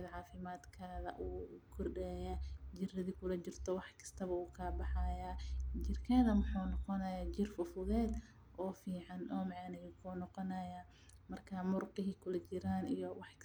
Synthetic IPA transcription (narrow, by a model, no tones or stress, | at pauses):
ðʕɑːfɪmaːd̪kʰaːðɐ̰ʔuːkʰɔrɖɛːjɐd͡ʒɪrɐðikʰʊlɐt͡ʃɪrt̪ʰɔwɑħkʰɐ̥st̪ʰɐβɐuːkʰɐːbɑħɑjaːd͡ʒɪrkʰɛːðɐmʊħuːnɔqɔnɐjaːt͡ʃɪrfʊfʊðɛːd̪ | ʔɔːfiːʕɑnʔɔːmɑʕɑːnɛjʊkʰuːnɔqɔnɐjaː | mɐrkʰamʊrqɪɦɪkʰʊlɐt͡ʃɪɾaːnijɔwɑħk